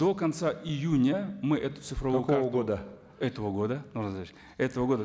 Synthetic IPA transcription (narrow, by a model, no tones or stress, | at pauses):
o̞kɐnt̪saʔɪjunʲəmɨʔɛt̪ʊ̥t̪sɨfɾɐvujɡod̪ə | ɛt̪əvəɡo̞d̪ənoʐnzat͡ɕʲ | ɛt̪əvəɡo̞d̪ə